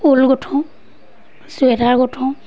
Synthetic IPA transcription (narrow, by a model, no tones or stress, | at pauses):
ulɡɔtʰɔ̃ | suɛdaɹɡɔtʰɔ̃w